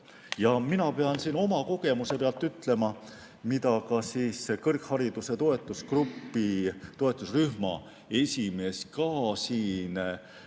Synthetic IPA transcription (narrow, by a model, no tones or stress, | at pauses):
jɑminɑpe̞ɑnsiːno̞mɑko̞ɡ̥e̞muse̞peɑlt̪ːˑyt̪ːˑle̞mɑ | mit̪ɑkɑsiːskɤrkhɑɾid̪̥use̞t̪oe̞t̪ˑːuskrupːˑit̪o̞e̞t̪ˑːusryhmɑ̰ | e̞sʲime̞ːskɑːsiːn